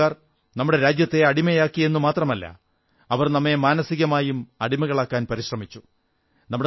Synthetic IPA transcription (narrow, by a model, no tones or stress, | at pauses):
aːr | nɐmːuɽe̞ɾaːd͡ʑjɐt̪ːe̞ɐɽimɐjaːkːie̞nːumaːt̪rɐmɐlːɐ̰ | ɐʋɐrnɐmːe̞maːnɐsiɣɐmaːjumɐɽimɐɣɐɭaːkːaːnpɐɾiɕrɐmit͡ɕːu | nɐmːuɽe